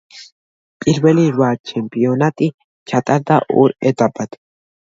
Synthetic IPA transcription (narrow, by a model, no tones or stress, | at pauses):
pʼɪlwɛliɾwaːt͡ʃɛmpɪjɔnat̪ʼɪ | t͡ʃɐt̪ʼɐɾd̪ɐʔṵːɾɛt̪ɐbːɐt̪